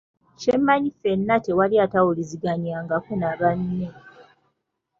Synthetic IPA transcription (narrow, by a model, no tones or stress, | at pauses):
ʃemːaɲife̞nːate̞waliatawuliziɡaɲaːŋɡakunaβanːe